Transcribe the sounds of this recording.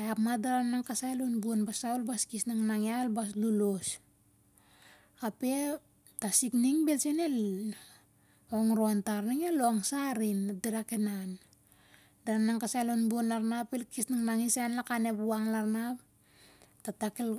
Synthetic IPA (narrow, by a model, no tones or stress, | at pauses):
aapmadaɾanaŋkasajlonbuonbasaolbaskisnaŋnaŋialbas̬lulos | ape̞ | tasikniŋbe̞lsenel | oŋɾo̞ntaɾniŋeloŋsaɾindiɾakenan | daɾanaŋkasajlonbuonlaɾnapelkisnaŋnaŋisanlakane̞buaŋlaɾnap | tatakel